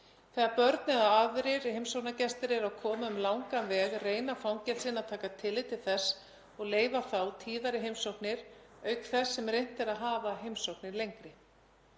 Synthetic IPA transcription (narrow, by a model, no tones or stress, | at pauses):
θɛːɣaɾpœɾt̪̚nɪðaavɾɪɾɦejmsowknacɛst̪ɪɾɛɾawkʰɔːmaʏmlawŋkanvɛːɣreːjnafɾawncɛlsɪnaðt̪ʰaːkat̪ʰɪlːɪt̪ʰɪlθɛsː | ɔɣleːjvaθawt̪ʰiːðaɾɪɦejmsowknɪɾœːɥkθɛsːɛmrejn̥t̪ɛɾaðɦaːvaɦejmsowknɪɾlejŋkɾɪ